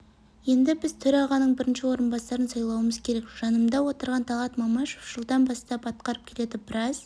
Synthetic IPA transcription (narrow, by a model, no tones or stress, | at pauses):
je̞nd̪ɪbɪzt̪ʰʏɾɑʁɑnəɴbɪɾɪnʃɪwo̞ɾənbɑsɑɾənsɑjlˠɑwəməzkʲʰe̞ɾe̞kʒ̥ɑnəmd̪ɑwo̞t̪əɾʁɑnt̪ʰɑlˠɑt̪mɑmɑʃoʒ̥əlˠd̪ɑnbɑst̪ɑpɑt̪̚qɑɾəp̚kʲʰe̞le̞d̪ɪbɪɾɑz̥